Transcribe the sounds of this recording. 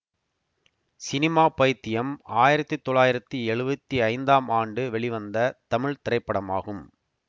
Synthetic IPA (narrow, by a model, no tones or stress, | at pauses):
sɪnɪmaːpɐjt̪ːɪjɐmaːjɪɾɐt̪ːɯt̪ːɔɭːaːjɪɾɐt̪ːiɛɻɯbɐt̪ːiɐɪnd̪aːmaːɳɖɯʋɛɭɪʋɐnd̪ɐt̪ɐmɪɻt̪ɪɾɐɪpːɐɽɐmaːɣɯm